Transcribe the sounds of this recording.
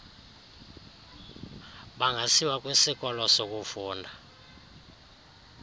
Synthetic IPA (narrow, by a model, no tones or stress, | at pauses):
ɓaŋasiwak̬ʼwesik̬ʼɔlɔsok̬ufuːndʱa